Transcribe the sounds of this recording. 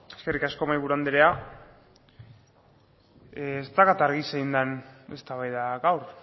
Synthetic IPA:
eske̞rikasko̞majβuɾuand̪eɾea | st̪akat̪aɾɣiseind̪ane̞̰st̪aβajðaɣawɾ

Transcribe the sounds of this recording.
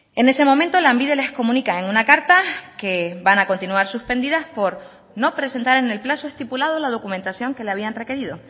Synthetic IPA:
e̞ne̞se̞mo̞mẽnt̪olambiðele̞hko̞mũnikae̞ŋunakaɾt̪ake̞banako̞nt̪inuaɾsuspe̞nd̪iðaspo̞ɾ | no̞pɾe̞se̞nt̪aɾene̞lplasoe̞st̪ipulað̞olað̞o̞kumẽnt̪asjo̞ŋke̞leaβ̞ianre̞ke̞ɾiðo̞

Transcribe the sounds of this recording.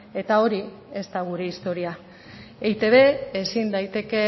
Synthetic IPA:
e̞t̪ao̞ɾi | e̞st̪aɣuɾe̞ist̪o̞ɾia | ejt̪e̞βe̞esind̪ajt̪e̞ke̞

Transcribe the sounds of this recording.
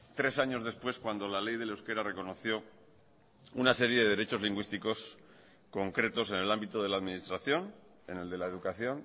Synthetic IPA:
t̪ɾe̞saɲo̞zðe̞spwe̞skwand̪o̞lale̞jðe̞lewske̞ɾare̞ko̞no̞θjo̞ | unase̞ɾje̞ðeðe̞ɾe̞t͡ʃo̞zliŋɡwist̪iko̞s | ko̞ŋkɾe̞t̪o̞s̬e̞ne̞lambit̪o̞ð̞e̞laːðminist̪ɾaθjo̞n | e̞ne̞ld̪e̞laeðukaθjo̞n

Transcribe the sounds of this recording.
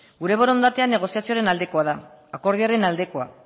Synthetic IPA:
ɡuɾe̞βoɾo̞nd̪at̪e̞ane̞ɣ̞o̞siasioaɾe̞nald̪e̞ko̞aðaako̞ɾðiaɾe̞nald̪e̞ko̞a̰

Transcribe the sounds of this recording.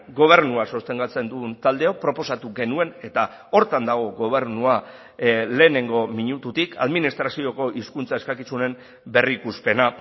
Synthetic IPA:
ɡo̞β̞e̞ɾnuaso̞st̪e̞ŋɡat͡se̞nd̪unt̪ald̪e̞o̞pɾo̞po̞sat̪uɡe̞nue̞ne̞t̪a | o̞ɾt̪and̪aɣ̞o̞ɡo̞β̞e̞ɾnua | le̞ːne̞ŋɡo̞miɲut̪ut̪ikʰa̰ðminist̪ɾasio̞ko̞ʔiskunt͡sae̞skakisune̞m | be̞rikuspe̞na

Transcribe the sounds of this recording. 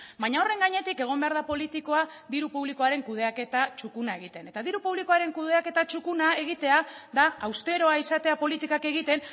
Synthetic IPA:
baɲao̞re̞ŋɡaɲe̞t̪ike̞ɣ̞o̞mbe̞aɾðapo̞lit̪iko̞a | ðiɾupuβliko̞aɾe̞ŋkuð̞e̞ake̞t̪at͡ʃukunae̞ɣit̪e̞ne̞t̪aðiɾupuβliko̞aɾe̞ŋkuðe̞ake̞t̪at͡ʃukunae̞ɣ̞it̪e̞aðaːwst̪e̞ɾo̞aisat̪e̞apo̞lit̪ikake̞ɣ̞it̪e̞n

